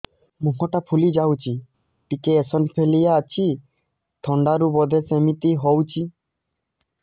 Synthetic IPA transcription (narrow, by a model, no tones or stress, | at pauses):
muɦɔʈapʰulid͡ʒawt͡ʃʰi | pikeːsɔnpʰelijaːt͡ʃʰi | t̪ʰɔɳɖaɾubɔd̪ʱesemit̪iɦɔwt͡ʃʰi